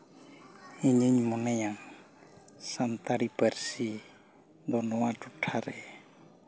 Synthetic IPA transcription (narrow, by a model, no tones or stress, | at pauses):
iɲiɲmɔnɛjaŋ | sant̪aɽipəɾsi | d̪ɔnɔwaʈuʈʰaɾɛ